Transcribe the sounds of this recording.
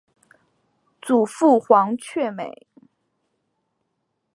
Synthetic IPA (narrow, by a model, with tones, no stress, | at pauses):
t͡su˨˩fu˥˩xwɑ˧˥ŋt͡ɕʰɥɛ˥˩me˨˩˦ɪ